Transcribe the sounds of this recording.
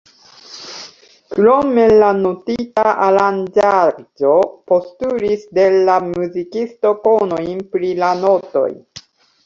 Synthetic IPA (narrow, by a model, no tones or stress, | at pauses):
kɾo̞me̞lanotitaʔaɾand͡ʒad͡ʒo̞po̞stuɾisde̞lamuzikisto̞ko̞nojnpɾilano̞to̞̰j